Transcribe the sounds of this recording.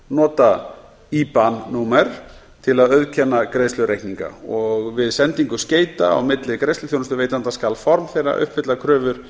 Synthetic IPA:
nɔːt̪a | ipanːumɛɾ̥ | t̪ʰɪlaðœðcʰɛnːakɾeːjslʏɾejhkniŋka̰ɔɣvɪðsɛnt̪iŋkʏsceːjt̪aa̰wmɪt̪lɪkɾejslʏθjownast̪ʏɾveːjt̪ant̪askalfɔɾmθejra̰ʔʏ̰hpvɪt̪lakʰɾœːvʏɾ̥

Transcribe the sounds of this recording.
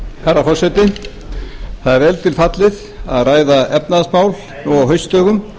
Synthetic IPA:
harːafɔrsɛt̪ɪ | θaðɛɾvɛlt̪ʰɪlfat̪lɪð | aðraːjðaɛp̚naðsmaːwluawɦœɥst̪œːɣʏm

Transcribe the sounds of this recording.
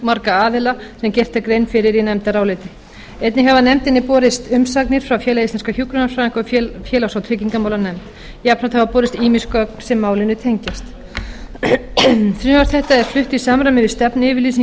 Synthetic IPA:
maɾkaaːðɪlasɛmcɛr̥t̪akɾejnfɪɾɪɾinɛmt̪aɾaːwlɪt̪ɪ | ɛjt̪nɪhavanɛmt̪ɪnːɪpɔːɾɪst̪ʏmsaknɪɾ̥fɾawfjɛːlaist̪anskaçjukɾʏnafɾaːɪŋkɔfjɛːlawsawt̪ʰɾɪciŋkamawlanɛmt̪ | iapʰɾat̪havapɔːɾɪst̪iːmiskœknsɛmːaːwlɪnʏt̪ʰejɲcast̪ | θɾʏːmaɾt̪θɛht̪aɛɾ̥flʏht̪isaːmɾamɪvɪst̪ɛpnɪːvɪɾliːsi

